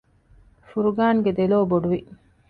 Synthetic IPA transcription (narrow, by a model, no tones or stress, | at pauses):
fuɾuɡaːŋɡed̪eloːboɖuʋi